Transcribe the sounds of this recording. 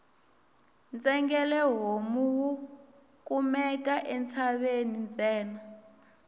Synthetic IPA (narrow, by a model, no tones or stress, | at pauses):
nt͡sʼɛŋɡɛlɛɦomuwu | kʼumɛk̬ʼaʔɛnt͡sʰaɓenint͡sɛːna